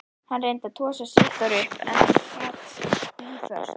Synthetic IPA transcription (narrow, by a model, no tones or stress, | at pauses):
hanrejnt̪at̪ʰɔːsasɪt̪aɾʏpɛ̰nafaːt̪ifœ̰st̪